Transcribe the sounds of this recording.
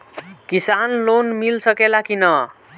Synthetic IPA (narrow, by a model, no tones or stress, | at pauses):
kisanlonmilsʌkelakinʌ